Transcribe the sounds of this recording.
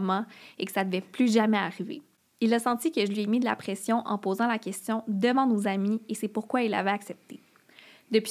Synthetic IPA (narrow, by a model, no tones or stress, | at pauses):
mɑ̃ekə̥sad̪əvɛplyʒamɛːʁivḛ | ilasɑ̃t̪ikəʒəlɥiemid̪əla̰pχɛsjɔ̃ʔɑ̰̃pozɑ̃lakʲɛst̪jɔ̃d̪əvɑ̃nozamiesɛpuʁkwailːa̰vɛaksɛp̚t̪e | d̪əpɥ